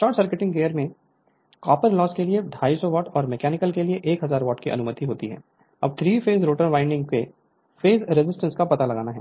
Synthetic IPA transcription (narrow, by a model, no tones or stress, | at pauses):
sʈɔːʈsəɾkɪʈɪ̃ŋɡɡeːəɾmẽ | kɔːpəɾlɔːskelieɖʱaːisɔʋɔːʈɔːɾmɛkɛːnɪkəlkelieʔeːkɦɐzaːɾʋɔːʈkiʔɐ̰nʊmət̪iɦoːt̪iɦɛ̰ː | ɐb̚t̪ʰɾiːfʰeːzɾoːʈənʋãːɪ̃ɳɖɪ̃ŋɡke | feːzɾɪzɪsʈə̃nskapɐt̪alɐɡaːnaɦɛ̰ː